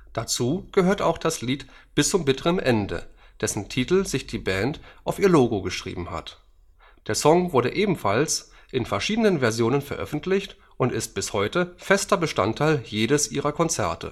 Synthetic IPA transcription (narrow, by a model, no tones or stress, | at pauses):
d̥at͡suːɡ̥əhøːɐtaʊxd̥asliːtb̥ɪst͡sʊmbɪtəʁəmʔɛndə̰ | d̥ɛsn̩tʰitl̩zɪçd̥iːbɛːntʔaʊfiːɐloːɡoɡəʃʁ̥ḭːbm̩ha̰t | d̥eːɐsɔŋvʊɐɾəʔeːbm̩fals | ʔɪnfɛɐʃiːdənənvɛɐzjoːnənfɛɐʔœ̰fn̩tʰlɪçt | ʔʊntɪst̚b̥ɪshɔʏtəfɛstɐbəʃta̰ntʰːaɪljeːɾəsʔiːʁɐkʰɔnt͡sɛɐtʰə̰